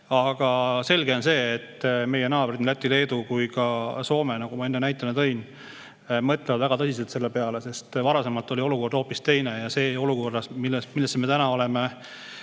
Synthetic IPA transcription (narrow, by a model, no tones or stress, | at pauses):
ɑɡ̥ɑse̞lɡ̥e̞o̞nse̞ːt̪ːme̞jenɑːbrinlæt̪ʲːˑile̞ːd̪ukujkɑso̞ːmenɑɡ̥umɑe̞nːenæjt̪ːˑɑnet̪ɤ̞jn | mɤt̪levɑd̪væɡ̥ɑt̪ɤsis̬et̪se̞lːepe̞ɑle̞se̞st̪vɑɾɑse̞mɑlt̪ːˑo̞lʲio̞luko̞rd̪̥ho̞ːpːist̪e̞jnejɑse̞ːo̞luko̞rd̪ɑsmilːesmilːesːeme̞t̪ænɑo̞le̞me